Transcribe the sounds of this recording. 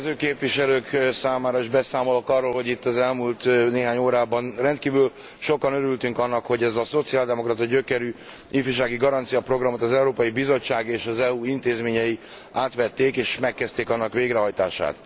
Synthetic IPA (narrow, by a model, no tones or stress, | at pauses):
zøːkeːpviʃɛløːksaːmaːɾɒiʒbɛsaːmo̞lo̞kɒrːoːlɦo̞ɟit̪ːɒzɛlmult̪neːɦaːɲoːɾaːbɒnrɛnt̪kiːvyl | ʃo̞kɒnøɾylt̪yŋkɒnːɒkho̞ɟɛzɒso̞t̪siaːld̪ɛmokrɒt̪ɒɟøkɛɾy | ifyʃaːɡiɡɒɾɒnt̪sijɒpro̞ɡrɒmo̞t̪ɒzɛuɾoːpɒjibizo̞t͡ʃːaːɡeːʃɒzɛuint̪eːzmeːɲɛji | aːt̪ʋɛt̪ːeːkeːʃmɛkːɛst̪eːkɒnːɒkʋeːɡɾɛɦɒjt̪a̰ːʃa̰ːt̪